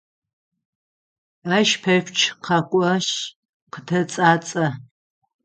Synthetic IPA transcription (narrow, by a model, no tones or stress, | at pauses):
aːʃpʰɐɕʷt͡ʃʰqʰɐkʷʼɔɕ | qətʰɐt͡sʼaːt͡sʼɐ